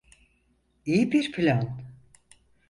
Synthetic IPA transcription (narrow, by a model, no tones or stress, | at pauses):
ijibiɾpʰilʲan